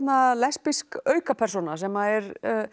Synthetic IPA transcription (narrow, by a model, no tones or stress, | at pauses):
t̪nalɛspiskœːɥkapʰɛɾ̥sonasɛmaðɛɾ